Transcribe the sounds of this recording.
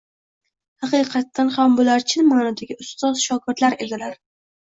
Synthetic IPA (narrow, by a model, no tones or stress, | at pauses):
hɑqɨjqʰɑt̪ːanhambʊlaɾt͡ʃʰɪnmanɒd̪aɡʲɪʔʊst̪ɒz̥ʃɒkʰʲɪɾt̪laɾe̞d̪ɪlaɾ